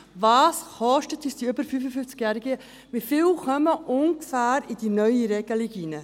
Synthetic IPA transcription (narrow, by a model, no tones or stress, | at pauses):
vɑːsχɔʃtət̪ːisd̥̪iʏbəɾfyfəfyft͡sɡ̥jæɾiɡə | mɪfɪːwχœməʔʊŋkfæːɾid̥̪inœʏiɾɛɡ̥əliɡinə